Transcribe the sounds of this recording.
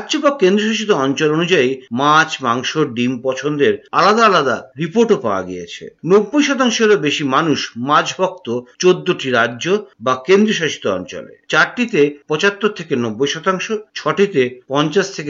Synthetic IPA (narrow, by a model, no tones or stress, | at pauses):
ɾad͡ʑobakend̪ɾioʃaʃit̪ːoɔnt͡ɕolonud͡ʑaimat͡ɕmaŋʃoɖimpɔt͡ɕʰond̪eɾalad̪aalad̪a̰ɾipoɾʈopaoa̰ɡijḛt͡ɕʰḛnobːojʃɔt̪aŋʃoeɾobeʃimanuʃmãd͡ʑbʱɔk̚t̪ot͡ɕod̪ːoʈiɾadːd͡ʑobakend̪ɾioʃaʃi̥t̪ːoɔ̰nt͡ɕɔ̰lḛt͡ɕaɾʈit̪epɔt͡ɕat̪ːoɾt̪ʰekenobːojʃɔt̪aŋʃot͡ɕʰɔʈit̪epɔnt͡ɕaʃt̪ʰeke